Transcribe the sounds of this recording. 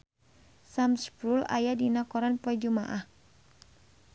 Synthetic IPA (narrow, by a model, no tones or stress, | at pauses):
samspɾula̰jadinakɔɾanpɔɛd͡ʒumaʔah